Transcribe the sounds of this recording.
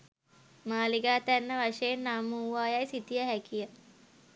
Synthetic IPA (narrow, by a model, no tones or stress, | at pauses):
maːliɡaːt̪ænːəʋaʂəjenːaːmuːʋaːjajsit̪ijəɦækijə